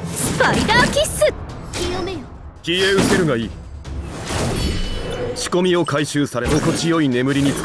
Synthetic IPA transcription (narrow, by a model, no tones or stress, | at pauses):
spaid̪akʲisɨ | kʲieɯ̟te̞ɾɯ̟ɡaiː | ɕi̥ko̞mʲio̞kaiɕɨːsaɾe̞noko̞t͡ɕijo̞ine̞mɯ̟ɾʲiɲ̟it͡s